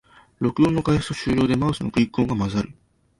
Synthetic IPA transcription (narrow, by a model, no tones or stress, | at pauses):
ɾo̞kɯd̪õːnːo̞kaihɯ̥t̪oɕɨːɾʲo̞ːd̪e̞maɯsɨno̞̰kɯ̟ikːõ̞ŋɡamazaɾɯ̟